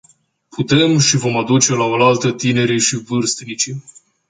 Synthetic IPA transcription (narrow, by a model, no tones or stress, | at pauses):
pʰut̪e̞mʃivo̞mad̪ut͡ʃe̞laolalt̪ət̪ine̞ɾiʃivɨrst̪nit͡ʃi